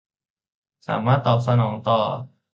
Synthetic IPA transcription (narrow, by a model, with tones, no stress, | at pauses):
sa̰ː˩˦maː˥˩t̪ːɔː˨˩p̚sa˧nɔː˩˦ŋt̪ɔː˨˩